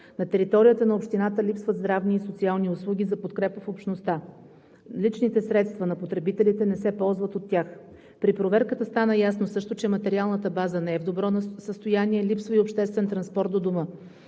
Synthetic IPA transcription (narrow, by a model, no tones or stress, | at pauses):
nɐt̪ɛɾit̪ɔɾijət̪ənɐopʃt̪inat̪əlʲipsvəd̪zd̪ɾavniːsot̪sialˠniʊslˠuɡʲizɐpot̪kɾɛpəfopʃnost̪a | lit͡ʃnit̪ɛsɾɛt̪st̪vɐnɐpot̪ɾɛbit̪ɛlit̪ɛnɛsɛpɔlˠzvət̪ot̪ːʲjax | pɾipɾovɛɾkət̪əst̪anəjasnosɤʃt̪ot͡ʃɛmɐt̪ɛɾialˠnət̪əbazənɛɛvd̪obɾɔsəst̪ojaniɛlipsvəiopʃt̪ɛst̪vɛnt̪ɾɐnspɔɾt̪d̪od̪ʊmə